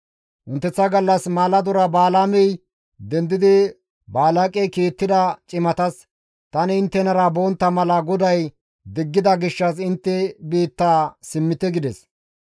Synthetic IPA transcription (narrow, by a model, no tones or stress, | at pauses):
ʔʊnt̪ːɛt͡sːɐɡɐlːɐsmaːlɐd̪ɔɾɐbaːlaːmɛj | d̪ɛnd̪ɪd̪ɪ | baːlakʼɛjkeːt̪ːɪd̪ɐt͡ʃʼɪmɐt̪ɐs | t̪ɐnɪɪnt̪ːɛnɐɾɐbont̪ːɐmɐlɐɡɔd̪ɐj | d̪ɪɡːɪd̪ɐɡɪʃːɐsɪnt̪ːɛbiːt̪ːaːsɪmːɪt̪ɛɡɪd̪ɛs